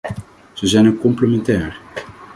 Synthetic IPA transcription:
z̥əzɛjnəkɔmpləmɛntɛːr

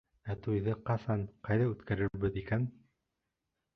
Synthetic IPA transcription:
æt̪ujðɤqɑsɑnqɑjðɑʉt̪kæɾɘɾbɘðikæn

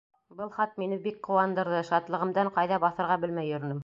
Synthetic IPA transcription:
bɤlˠχɑt̪̚minɘbik̚qŏwɑnd̪ɤ̆ɾðɤʃɑt̪lˠɤ̆ʁɤ̆md̪ɑɴqɑjðɑbɑθɤ̆ɾʁɑbɘlmæjɵ̆ɾɘ̆nɘm

